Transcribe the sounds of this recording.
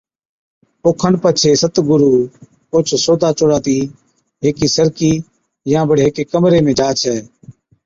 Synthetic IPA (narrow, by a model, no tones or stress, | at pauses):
oːkʰənpət͡ʃʰeːsət̪ɡʊɾuː | ot͡ʃʰsoːd̪aːt͡ʃoɽaːt̪iː | ɦeːkiːsəɾkiː | jãːbəɽɦeːkeːkəmɾeːmẽːd͡ʒaːt͡ʃʰɛː